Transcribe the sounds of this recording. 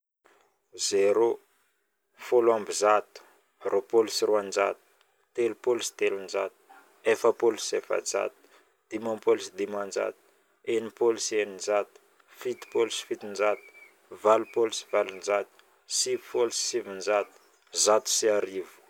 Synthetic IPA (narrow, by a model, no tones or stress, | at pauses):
zeɾo | folambizat̪u̥ | rʔopolusiruand͡ʒa̰t̪u̥ | t̪elupolusi̥t̪elund͡ʒat̪u̥ | efapolusefa̰d͡za̰t̪u̥ | d̪̥imãpolusid̪imand͡ʒa̰t̪u̥ | enipolusienind͡ʒat̪u̥ | fit̪i̥polusi̥fit̪ind͡ʒat̪u̥ | valupolusi̥valund͡ʒat̪u̥ | sivifolusi̥sivind͡ʒat̪u̥ | zat̪u̥siaɾivu̥